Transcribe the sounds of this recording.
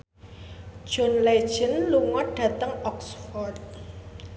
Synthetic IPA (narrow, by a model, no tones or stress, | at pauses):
d̥ʒ̥o̤nle̥ʒ̥ə̤nluŋɔɖ̥ä̤t̪əŋɔksfɔrt̪̚